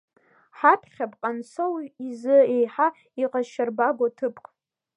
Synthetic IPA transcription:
ħapʰχʲapʼqʼansʰowizɨejħa | iqʼaʃarbaɡʷatʰɨpʼkʼ

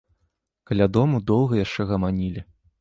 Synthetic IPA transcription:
kɐlʲad̪ɔmud̪ɔwɣɐjaʂt͡ʂɛɣɐmanʲilʲi

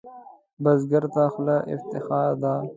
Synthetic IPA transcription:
bɐzɡɐɾd̪aːxlaʔɪ̰ft̪ɪxaːd̪aː

